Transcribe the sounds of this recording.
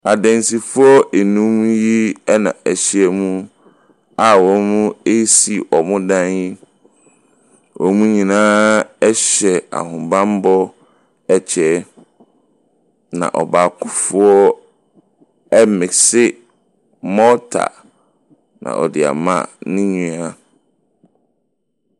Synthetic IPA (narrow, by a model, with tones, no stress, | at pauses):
a˨dɛ̃˨nsi˨fʊ˦ɔ˦e˨nũ˦mji˦ɛ˦nã̰˨æ˨ɕi˨ɛ˦mũ˦ | a˨wɔ˨˦mũ˦e˦si˨ʔɔ˨mʊ̃˦dã˦nji˦ | wɔ˨˦mũ˦ɲĩ˨nãː˦ɛ˦ɕɛ˨a̰˨hʊ̃˨bã˦m˦bɔ˦ | ɛ˦t͡ɕʰɛ˨˦ | nã̰˨ʔɔ˨ba˨kʰʊ˦fʊ˦ɔ˦ | ɛ˦mɪ̃˨sɪ˦ | mɔ˦tʰa̰˨ | nã̰˨ʔɔ˨dɪ˨a̰˨mã̰˦˨nʊ̃˦ɲũ˨a˦˨